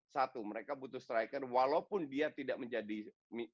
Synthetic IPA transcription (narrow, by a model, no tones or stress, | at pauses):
sat̪uməɾekabut̪ʊst̪ɾaikərwalapʊndiat̪idaʔ̚məɲd͡ʒadi | mi